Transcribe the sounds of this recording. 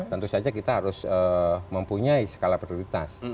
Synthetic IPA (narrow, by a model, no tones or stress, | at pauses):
t̪ənt̪usad͡ʒakit̪aɦaɾʊsəməmpuɲaisə̥kalapɾioɾit̪a̰s